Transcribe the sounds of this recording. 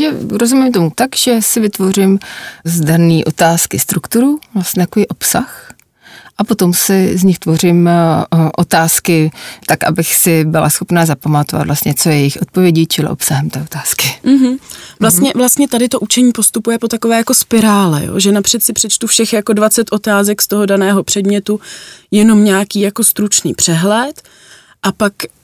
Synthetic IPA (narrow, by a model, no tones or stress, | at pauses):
ʒɛɾo̞zumɪmt̪o̞mut̪akʒ̥ɛsɪvɪt̪vo̞rɪmzdaɾniːʔo̞t̪aːskɪst̪ɾukt̪uɾuvlast̪ɲɛt̪akoviːʔo̞psax | ʔapo̞t̪o̞msɪzɲɪxt̪vo̞rɪm | ʔo̞t̪aːskɪt̪akʔa̰bɪxsɪbɪla̰sxo̞pnaːzapamat̪ova̰t̪vlast̪ɲɛt͡so̞jɛjɛjɪxʔo̞t̪̚po̞vjɛɟɪt͡ʃɪlɪ̰ʔo̞psaɦɛmt̪ɛːo̞t̪aːskɪm̩ɦ̩vlast̪ɲɛvlast̪ɲɛt̪adɪt̪o̞ʔut͡ʃɛɲiːpo̞st̪upujɛpo̞t̪ako̞vɛːjako̞spɪɾaːlɛ̰jo̰ːʒɛnapr̝̥ɛt̪sɪpr̝̥ɛt͡ʃt̪ufʃɛxjako̞dvat͡sɛt̪ʔo̞t̪aːzɛkst̪o̞ɦo̞danɛːɦo̞pr̝̥ɛdmɲɛt̪ujɛno̞mɲaːkiːjako̞st̪ɾut͡ʃniːpr̥ɛɦlɛt̪ | ʔapak